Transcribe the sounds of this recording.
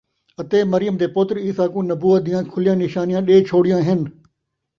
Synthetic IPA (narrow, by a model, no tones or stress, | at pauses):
ɐt̪eːmɐɾɪjəmd̪eːpot̪ɾiːsaːkũːnɐbuːət̪̚d̪ɪjãːkʰʊlɪjãːnɪʃaːnijãːɗeːt͡ʃʰoːɽɪjãːɦɪn